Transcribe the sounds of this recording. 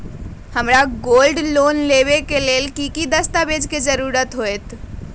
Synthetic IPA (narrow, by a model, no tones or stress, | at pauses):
həmɾaɡolɖlonleʋekelelkikid̪əst̪abed͡ʒked͡ʒəɾuɾət̪ɦoet̪